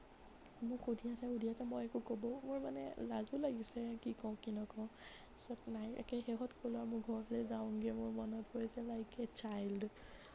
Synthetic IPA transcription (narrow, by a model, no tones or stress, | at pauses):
mʊkudʱiasɛudʱiasamɔjɛkukobɔmʊɹmanɛ̰lazulaɡisɛkikɔʊ̃kinɔkɔʊ̃ | sɔtnaja̰kɛxɛɦɔtkʰolamʊɡʱɔɹlɛzawʊ̃ɡɛmʊɹmɔnɔthojzɛlajkɛt͡ʃajld